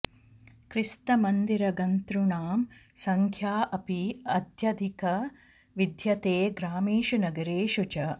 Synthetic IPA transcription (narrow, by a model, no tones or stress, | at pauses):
kɾist̪ɐmɐnd̪iɾɐɡɐnt̪ɾuɳaːmsɐŋkʰjaːʔɐpiɐd̪ʱjɐd̪ʱikɐ | ʋid̪ʱjɐt̪eːɡɾaːmeːʃunɐɡɐɾeːʃut͡ʃɐ